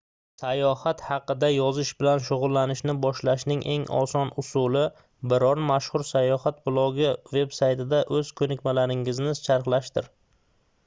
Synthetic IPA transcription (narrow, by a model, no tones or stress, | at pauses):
sajɒhat̪hɑqɨd̪ajɒzɪʃbɪlanʃʊʁʊlˠːanɪʃnɪbɒʃlaʃnɪŋʔe̞ŋɒ̰sɒnʊsʊlˠɪ | bɪɾɒnmaʃhʊɾsajɒhat̪̚blˠɒɡɪve̞bsajt̪ɪd̪aʔɵz̥kʰɵnɪkʲmalaɾɪŋɪznɪst͡ʃʰaɾχlˠaʃt̪ɪɾ